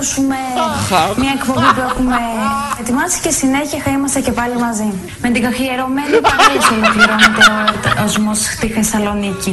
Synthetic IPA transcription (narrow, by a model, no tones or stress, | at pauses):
sume | mɲɐekpo̞mbipuexume̞et̪imɐsi̥cesine̞çiɐxɐimɐst̪ɐce̞pɐlimɐzi | met̪iɡɐxieɾo̞menipɐkoselofliɾonit̪eɾoeɾt̪ɐzmosxt̪ixesɐlo̞nici